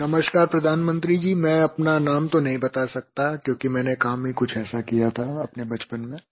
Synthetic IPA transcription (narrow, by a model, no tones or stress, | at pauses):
nɐməʃkaːɾpɾɐd̪ʱaːnmə̃nt̪ɾid͡ʒiːmɛ̃ɐpnanaːmt̪onɐɦĩbɐt̪asɐk̚t̪akjõːkimɛ̃ːnekaːmĩkʊt͡ʃʰɛːsakijat̪ʰaɐpnebɐt͡ʃpənmẽː